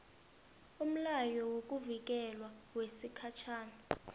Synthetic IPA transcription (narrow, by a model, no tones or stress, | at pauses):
um̩lajɔwok̬ʼuvik̬ʼɛlwawesikʰat͡ʃʰaːna